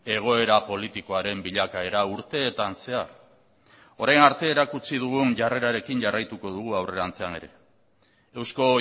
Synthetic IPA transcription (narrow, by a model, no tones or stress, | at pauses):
e̞ɣ̞o̞e̞ɾapo̞lit̪iko̞aɾe̞mbiʎakae̞ɾauɾt̪e̞ːt̪anse̞aɾ | o̞ɾajnaɾt̪e̞ːɾakut͡sið̞uɣ̞unʝare̞ɾaɾe̞kiɲʝarʔajt̪uko̞ðuɣ̞uawre̞ɾant͡se̞ane̞̰ɾe̞̰ | ewsko̞